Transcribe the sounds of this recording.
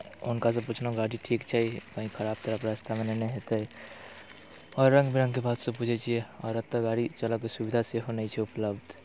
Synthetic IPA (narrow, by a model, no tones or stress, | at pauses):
ʊnkas̬ə̃put͡ʃʰnaɡaɽiʈʰiːkt͡ʃʰɛkəɦĩkʰəɾaːb̚t̪əɾəpɾast̪ʰamenenɛɦet̪əɦi | ɔːɾːə̃ŋɡbiɾə̃ŋɡkebaːd̪sə̃pud͡ʒʱet͡ʃʰieɔ̰ːɾət̪ːəɡaɽit͡ʃələkesubid̪ʱaseɦonəit͡ʃʰɛʊpləbd̪ʱ